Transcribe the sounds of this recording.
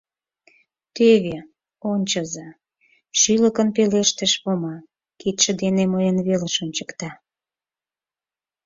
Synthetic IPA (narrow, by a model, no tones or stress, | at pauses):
t̪eβe | onʲt͡ɕə̆zɑ | ʃyləkə̆npeleʃt̪eʃβomɑ | ket̪ʃə̆d̪enemojənβeleʃonʲt͡ɕəkt̪ɑ